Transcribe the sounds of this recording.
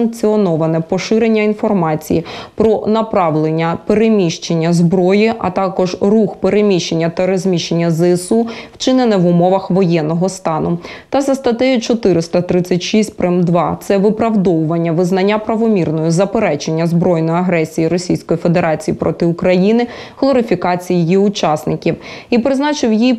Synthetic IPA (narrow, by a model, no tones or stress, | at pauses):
ɐŋk̚t͡sʲiɔnɔʋɐnɛpɔʃɪɾe̞nʲːɐinfɔrmɑt͡sʲḭjipɾɔnɐpɾɑʋlˠenʲːɐpeɾemʲiʃt͡ʃenʲːɐzbɾɔjiʔɐ̰t̪ɑkɔʒruxpeɾemʲiʃt͡ʃenʲːɐt̪ɐɾɔzʲmʲiʃt͡ʃenʲːɐzɛsuwt͡ʃɪnɪnɛʋʊmɔʋɐxʋɔjɛnːɔɦɔst̪ɑnʊt̪ɐzɐst̪ɐt̪ɛjit͡ʃɔt̪ɪɾɪst̪ɐt̪ɾɪt͡sʲːɐtʲʃisʲt̚ʲpɾɛmd̪ʋɑt̪sɛʋɪpɾɐwd̪ɔwʊʋɐnʲːɐʋɪznɐnʲːapɾɐʋɔmʲirnɔjʊzɐpeɾɛt͡ʃe̞nʲːɐzbɾɔjnɔjɐɦɾɛsʲijiɾɔsʲijsʲkɔjife̞d̪eɾʔɑt͡sʲijipɾʔɔt̪ɪʊkɾɐjinɪ | ɦlˠɔɾɪfʲikɑt͡sʲijijiʊt͡ʃɑsnɪkʲiwipɾɪznɑt͡ʃɪwji